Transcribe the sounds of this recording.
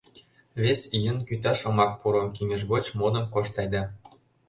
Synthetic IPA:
vʲesijə̆nkyt̪ɑʃŏmɑk̚puɾɤmkiŋɘ̆ʒɣot͡ɕmod̪ɤ̆mkoʃt̪ɑjd̪ɑ

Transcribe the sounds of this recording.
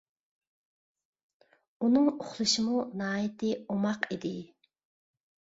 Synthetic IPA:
unɨŋʊχlˠɨʃɪmunɑːjit̪ʰɪomɑqid̪ɪ

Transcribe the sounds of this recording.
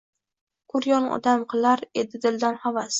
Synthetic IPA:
kʰʊɾjɒnɒ̰d̪amqʰɨlˠaɾe̞d̪ɪd̪ɪld̪anhavas

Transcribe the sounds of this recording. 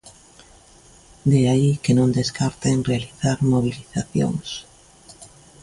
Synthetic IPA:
d̪eaikenõnd̪eskaɾt̪eŋrealiθaɾmoβ̞iliθaθjo̰ŋs

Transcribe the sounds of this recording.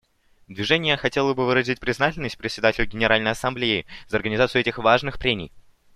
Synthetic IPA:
d̪vʲɪʐɛnʲɪjəxɐtʲelˠəbɨvɨɾəzʲɪt̚ʲpɾʲɪznatʲɪlʲnəsʲt̚ʲpɾʲɪtʲsʲɪd̪atʲɪlʲʊɡʲɪnʲɪɾalʲnəjɐsɐmblʲeɪzəɐrɡənʲɪzat̪sɨʊɛtʲɪxvaʐnɨxpɾʲemʲɪ̰j

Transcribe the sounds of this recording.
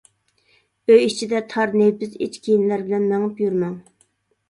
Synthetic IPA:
bøjit͡ʃʰid̪ɛt̪ʰɑɾnebɪzḛt͡ʃkʲʰijinlæɾbɪlɛnmɛŋɨpjyɾmæŋ

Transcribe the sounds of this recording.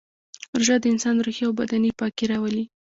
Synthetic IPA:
ɾʒad̪əɪnsɑnɾuxjawbad̪anipɑkeɾɑwəli

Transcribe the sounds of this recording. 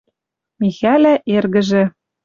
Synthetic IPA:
mixælæʔerɣɘ̆ʒĕ

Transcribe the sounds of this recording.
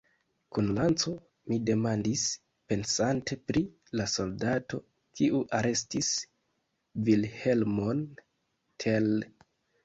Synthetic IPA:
kunlant͡so̞ | mide̞mandis | pe̞nsantʰe̞pɾi | laso̞ldato̞ | kʰiʔuʔaɾe̞stis | vilhe̞lmo̞n | tʰe̞l

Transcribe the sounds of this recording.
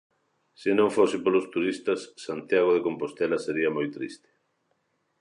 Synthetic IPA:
sɪnõŋfosɪpolost̪uɾist̪ɐsːant̪jaɣ̞oðekompost̪ɛlaseɾiɐmojt̪ɾḭst̪ɪ̥

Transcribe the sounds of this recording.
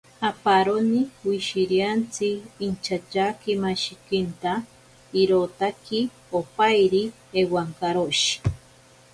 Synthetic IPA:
apaɾoniwiʃiɾjant͡siːnt͡ʃʰat͡ʃakimaʃikint̪a | iɾot̪aki | opajɾi | ewaŋkaɾoʃi̥

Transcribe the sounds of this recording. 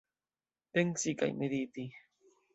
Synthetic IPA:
t̪eŋsika̰jmed̪it̪i

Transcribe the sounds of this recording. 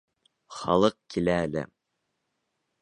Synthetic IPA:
χɑlˠɤq̚kʲʰilæːlɪ̰

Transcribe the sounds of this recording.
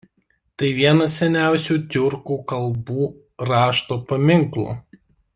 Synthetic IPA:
t̪ɐɪʋʲiɛnɐsʲɛnʲæˑʊsʲuːt̪ʲʊɾkuːkɐlˠbuː | ɾɑːʃt̪oːpɐmʲɪŋklˠṵː

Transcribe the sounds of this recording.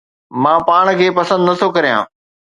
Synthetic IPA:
mãːpaːɽ̃̆kʰeːpɐsə̃nd̪nɐt̪ʰokɐɾijã̰ː

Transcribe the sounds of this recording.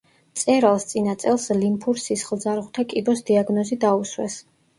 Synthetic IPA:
t̪sʼɛɾalˠst̪sʼinat̪sʼɛlˠslimpʰuɾsisχlˠd̪zaɾʁwt̪ʰakʼibɔsd̪iaɡnɔzid̪auswɛ̰s

